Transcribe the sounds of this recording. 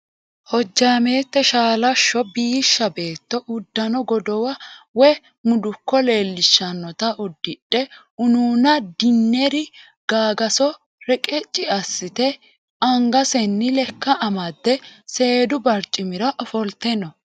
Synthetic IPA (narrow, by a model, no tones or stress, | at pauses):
hɔd͡ʒːaːme̞ːt̪ːɛʃaːlɐʃːɔbiːʃːɐbe̞ːt̪ːɔʔʊd̪ːɐnɔɡɔd̪ɔwɐwɛ | mʊd̪ʊkːɔle̞ːlːɪʃːɐnːɔt̪ɐʔʊd̪ːɪɗːɛ | ʊnuːnɐd̪ɪnːɛɾɪ | ɡ̥aːɡɐsɔ | ɾɛkʼɛt͡ʃʼːɪɐsːɪt̪ɛ | ɐŋɡɐsɛnːɪlɛkːɐʔːmɐd̪ːɛse̞ːd̪ʊbɐɾt͡ʃʼːɪmɪɾɐʔɔfɔlt̪ɛnɔ